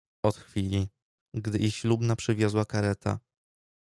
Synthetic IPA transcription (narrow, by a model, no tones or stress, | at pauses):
ɔt̪xfʲilʲi | ɡd̪ɘʔiɕlubnapʂɘvʲjɔzwakaɾɛt̪a̰